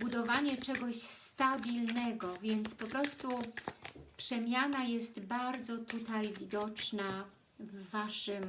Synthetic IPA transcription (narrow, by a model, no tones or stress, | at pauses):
bud̪ɔvaɲɛt͡ʂɛɡɔɕst̪abʲilnɛɡɔvʲjɛnt̪spɔpɾɔst̪u | pʂɛmʲjanajɛst̪baɾd̪zɔt̪ut̪ajvʲid̪ɔt͡ʂna | vːaʂɘm